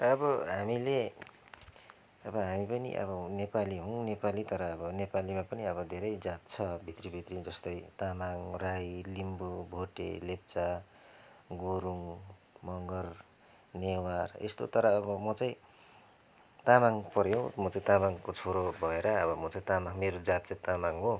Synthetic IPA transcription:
ʌbʌɦamile | ʌbʌɦamipʌnḭʔʌ̰bʌnepaliɦũnepalit̪ʌɾʌːbʌnepalimapʌniʌbʌd̪ʱeɾʌjd͡zat̪̚t͡sʰʌbʱit̪ribʱit̪rid͡zʌst̪ʌjt̪amaŋrajlimbubʱoʈḛlep̚t͡sa | ɡoɾuŋ | mʌŋɡʌr | newarḛst̪o̰t̪ʌɾʌːbʌmʌt͡saĩ | t̪amaŋpʌɾjõmʌt͡saĩt̪amaŋkot͡sʰoɾobʱʌeɾʌʌbʌmʌt͡saĩt̪amaŋmeɾod͡zat̪̚t͡sãt̪amaŋɦo

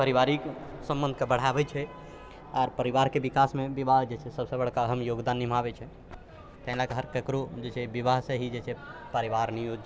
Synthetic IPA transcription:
pəɾiʋaɾiksə̃mbənd̪kebəɽ̤abɛt͡ʃʰɛ | aɾpəɾiʋaɾkebikasmebibaɦd͡ʒet͡ʃʰɛsəbsəbəɽ̤kaəɦəmjoɡd̪anːim̤abɛt͡ʃʰɛ | t̪əɦĩlakeɦəɾkəkɾud͡ʒet͡ʃʰɛbibaɦsẽɦid͡ʒet͡ʃʰɛpəɾiʋaɾnijod͡ʒt͡ʃʰ

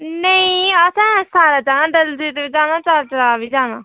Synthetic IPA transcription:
nəĩːəsãːsaːɾaːt͡ʃaːnãːɖəld̪iːt̪eɪd͡ʒaːnaːt͡ʃat͡ʃɾaːbiːd͡ʒaːnaː

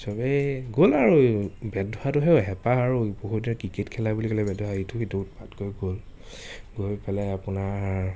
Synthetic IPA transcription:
sɔbɛɡolaɹubɛdʱɔatʊɦɛʊɦɛpaaɹuboɦudinɛkɹiketkʰɛlabulikɔlɛbɛdɦaitʰukedoutpatɡojɡol | ɡojpɛlɛapʊna

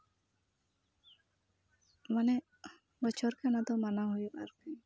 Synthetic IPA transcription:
manɛ | bɔt͡ʃʰɔɾkanad̪ɔmanaɦujuʔa̰ɾkəj

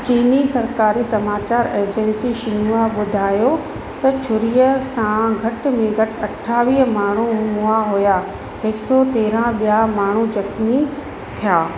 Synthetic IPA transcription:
t͡ɕiːnisɐɾkaːɾisɐmaːt͡ɕaːɾeːɾd͡ʑɛ̃nsiʃɪnuaɓʊd̪ʱaːjo | t̪ɐt͡ɕʰʊɾijəsãɡʱɐʈmẽɡʱɐʈɐʈʰaːʋiːɦmaːɳ̤umuaɦʊja | ɪksɔt̪eːɾãɓijaɦmaːɳ̤ud͡ʑɐkʰmi | t̪ʰijaː

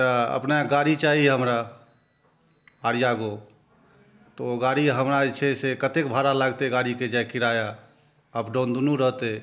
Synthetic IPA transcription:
t̪əə̰pnaɡaɽit͡ʃaɦiɦəmɾa | ɽijaɡo | t̪oɡaɽiɦəmɾat͡ʃʰɛsekət̪ekbʱaɾalaɡt̪eɡaɽiked͡ʒajkiɾaja | əbɖond̪unuɾəɦt̪e

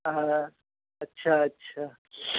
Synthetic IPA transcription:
a | ɐtːɕʰaɐtːɕʰaː

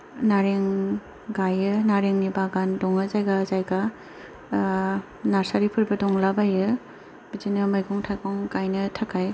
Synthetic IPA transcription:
naɾeŋ | ɡajɯnaɾeŋnibaɡandɔŋɯzajɡazajɡa | naɾsaɾipʰɯɾbɯdɔŋlabajɯ | b̥izinɯmajɡɔŋtʰaɡɔŋɡajnɯtʰakʰaj

